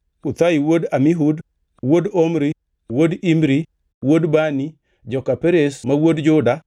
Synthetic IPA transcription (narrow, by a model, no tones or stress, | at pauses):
ut̪ajiwodamiɦud | wodomɾi | wodimɾi | wodbani | d͡ʒɔkapeɾesmawodd͡ʒʊda